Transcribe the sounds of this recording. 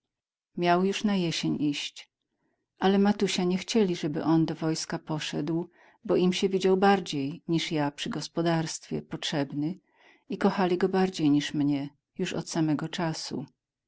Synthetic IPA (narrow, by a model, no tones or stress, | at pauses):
mʲjawjuʂnajɛɕeɲʔiɕt͡ɕ | ʔalɛmat̪uɕaɲɛxt͡ɕɛlʲiʐɛbɘ̰ʔɔnd̪ɔvɔjskapɔʂɛd̪w | bɔʔimɕɛvʲid͡ʑawbaɾd͡ʑejɲiʂjapʂɘɡɔspɔd̪aɾst̪fʲjɛ̰pɔtʂɛbnɘ | ikɔxalʲiɡɔbaɾd͡ʑejɲiʂmɲɛ | juʂɔ̰t̪samɛɡɔt͡ʂasṵ